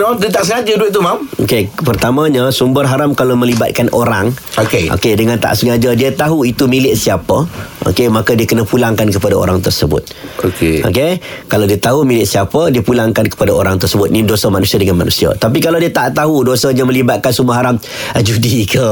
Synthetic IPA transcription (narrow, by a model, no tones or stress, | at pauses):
mamd̪it̪aʔsəŋad͡ʒəduɪt̪̚t̪umamo̰kepərt̪amãɲasumbərɦaɾamkalomə̃libat̪̚kanoɾaŋokeʔo̰kedəŋant̪a̰ʔsəŋad͡ʒadiat̪aɦuit̪umilɪʔsiapəʔo̰kemakadiakənəpulaŋkankəpadao̰ɾaŋt̪ərsəbʊ̰t̪̚okeʔo̰kekalawdiat̪aɦumilɪʔsiapədiəpulaŋkankə̥padaoɾaŋt̪ərsəbʊt̪̚nidosamanusiadəŋanma̰nusia̰t̪ap̬ikalawdiat̪aʔt̪aɦudosaɲamə̃libat̪̚kansumbərɦaɾam | d͡ʒudikʰə